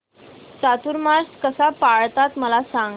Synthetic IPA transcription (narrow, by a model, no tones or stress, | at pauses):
t͡sat̪uɾmaɾskəsapaɭt̪at̪məlasãŋ